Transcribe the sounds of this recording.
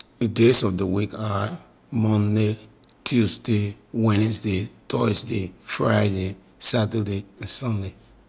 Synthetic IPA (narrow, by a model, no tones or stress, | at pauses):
dədesɔfdəwika | mɔ̃nde | tʰusde | wɛ̃nsdetʰɔsdefɹaɪde | satədeãnsɔ̃nde